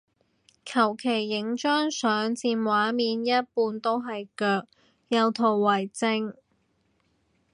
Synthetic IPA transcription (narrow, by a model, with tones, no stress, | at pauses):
kʰɐ˨˩wkʰe˨˩jːɪ˨˥ŋt͡ʃœː˥ŋsœː˨˥ŋt͡siː˧nwaː˨˥miː˨˧njɐ˥t̚puː˧nt̪o˥wɦɐ˨jkœː˧k̚ | jɐ˨˧wt̪ʰo˨˩wːɐ˨˩jt͡sɪ˧ŋ